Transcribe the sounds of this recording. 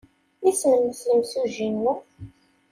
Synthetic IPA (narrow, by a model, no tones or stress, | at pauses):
isnəmːəsləmsuʒinːu